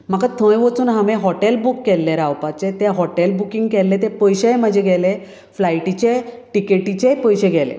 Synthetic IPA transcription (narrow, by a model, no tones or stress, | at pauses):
m̤akat̪ʰə̃jʋot͡suːnɦamẽɦɔʈelbukːɛlːeɾawpat͡set̪eɦɔʈelbukiŋɡkɛlːet̪epəjɕeməd͡ʑʱeɡʱɛle | flajʈit͡ɕeʈikeʈit͡ɕepəjɕeɡʱɛlḛ